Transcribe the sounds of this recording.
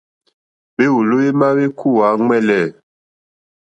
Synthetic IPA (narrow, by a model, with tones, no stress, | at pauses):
be˦u˨lo˦e˦ma˦we˦kʰu˦˨wa˨˦ŋ͡mɛ˦˨lɛ˨